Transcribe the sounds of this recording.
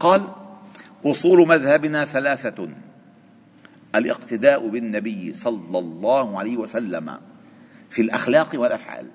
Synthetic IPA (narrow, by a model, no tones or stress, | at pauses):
qɑːl | ʔʊsˤuːlʊmaðhabɪnaːθalaːθa | ʔalʔɪ̰qt̪ɪd̪aːʔʊbɪnːabɪjːsˤɑlːɑlˤːɑːhʊʕalajːhɪwasalːama̰ | fiːlʔa̰xlaːqwalʔafʕa̰ːl